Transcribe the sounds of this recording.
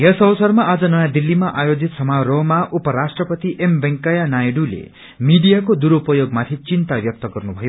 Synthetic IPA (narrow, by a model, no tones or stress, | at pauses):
jesʌwʌsʌrmaʔad͡zʌnʌjãd̪ilːimaʔajod͡zit̪sʌmaromaʔupʌɾasʈrʌpʌt̪iʔembeŋkajanajɖulḛ | miɖijakod̪uɾupʌjoɡmat̪ʰit͡sint̪abjʌk̚t̪ʌɡʌrnubʱʌjo